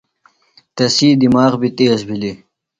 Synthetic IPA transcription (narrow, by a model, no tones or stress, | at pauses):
t̪ɐsiːd̪imaːʁbit̪eːsbʱili